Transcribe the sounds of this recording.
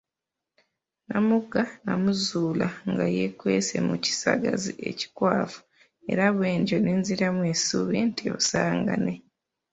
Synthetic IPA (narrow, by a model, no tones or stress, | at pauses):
namuɡanamuzuːlaŋɡajekwe̞̰ːsḛmuci̥saɡazie̞̰ci̥kwaːfu̥ | e̞̰ɾaβwe̞ːɲɟonenziɾamwesuβentijo̰saːŋɡa̰ne